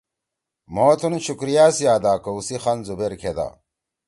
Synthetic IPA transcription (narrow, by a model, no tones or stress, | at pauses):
moːt̪ʰunɕukɾijaːsijaːd̪aːkɐusixɐnzubeɾkʰed̪a̰